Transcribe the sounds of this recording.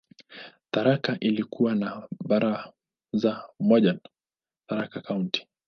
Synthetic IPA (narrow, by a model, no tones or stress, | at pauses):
θaɾakaʔilikuwanaɓaɾʔa | zamɔʄan | θaɾakakaunti̥